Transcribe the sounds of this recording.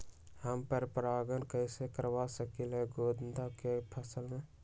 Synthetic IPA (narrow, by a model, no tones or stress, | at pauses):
həmpəɾpɾaːɡənkəɪsekəɾʋasəkilɦeɡoːd̪nd̪akepʰəsəlmẽ